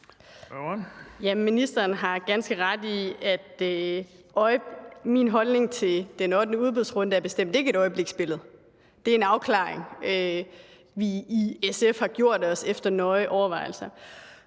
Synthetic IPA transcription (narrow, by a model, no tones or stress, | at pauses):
jæminisd̥ɐːn̩ɦɑ̈ɡ̥ænsɡ̥əʁɑ̈d̥iæd̥ | ʔɒɪminɦɒ̽lne̝ŋt͡sʰe̝ld̥enɒ̽d̥nəuð̞ˠb̥iðˠsʁɔ̽n̰d̥əæɐb̥e̝sd̥em̰d̥ee̝ɡ̥əeɾɒ̽ɪəb̥le̝ɡ̥sb̥e̝ləð̞̩ˠ | d̥e̝æɐe̝nɑ̈ʊkʰlɑ̰̈ːeŋø | ʋiːesefhɑ̈ɡ̥jo̝ɐ̰d̥ɒ̽sefd̥ɐnɒ̽ɪəʔɒʊɐʋɑ̈ɪl̩sɐ